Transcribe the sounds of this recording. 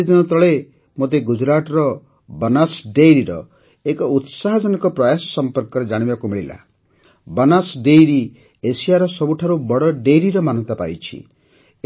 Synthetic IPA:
d̪inɔt̪ɔɭe | mot̪eɡud͡ʒɾaʈɔɾɔ | bɔnasɖejɾiɾɔ̰ | ekɔut̪saɦɔd͡ʒɔnɔkɔpɾɔjasɔ̥sɔmpɔɾkɔɾed͡ʒaɽ̃ibakumiɭila̰ | bɔnasɖejɾi | esijaɾɔsɔbuʈʰaɾubɔɽɔɖejɾiɾɔmanɔ̃nt̪apa̰jt͡ʃʰḭ

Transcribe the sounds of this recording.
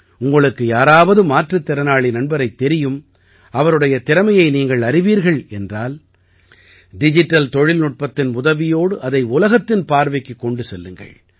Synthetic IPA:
ʊŋɡɐɭɯkːɯjaːɾaːʋɐðɯmaːʈrɐt̪ːɪɾɐnaːɭinɐɳbɐɾɐɪt̪ːɛɾɪjɯm | ɐʋɐɾɯɽɐjɐt̪ɪɾɐmɐjɐɪniːŋɡɐɭɐɾɪʋiːɾɣɐɭɛndraːl | ɖɪd͡ʒɪʈːɐlt̪ɔɻɪlnʊʈ̚pɐt̪ːɪnʊðɐʋɪjoːɽɯʔɐðɐɪʊlɐɣɐt̪ːɪnpaːɾʋɐɪkːɯkːɔɳɖɯsɛlːɯŋɡɐ̰ɭ

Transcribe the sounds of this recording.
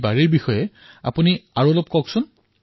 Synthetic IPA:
baɹiɹbixɔjɛ | a̰puniaɹuɔlɔp̚kɔksʊn

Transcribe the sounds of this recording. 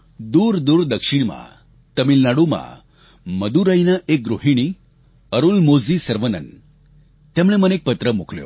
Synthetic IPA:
d̪uːɾd̪uːɾd̪əkʂiɳma̰ | t̪əmilnaɽuma̰ | məd̪uɾajnaʔek̚ɡɾoɦiɽ̃i | əɾulmod͡zisəɾʋənə̰n | t̪emɭ̃emənek̚pət̪ɾəmukʰljo̰

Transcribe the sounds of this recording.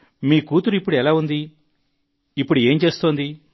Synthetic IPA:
miːkuːt̪uɾuipːuɽuɛlaːund̪i | ipːuɽue̞ːmt͡ʃe̞ːsut̪oːnd̪i

